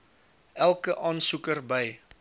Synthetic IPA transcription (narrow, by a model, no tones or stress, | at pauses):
ʔælˠkəʔɑːnsukərbəj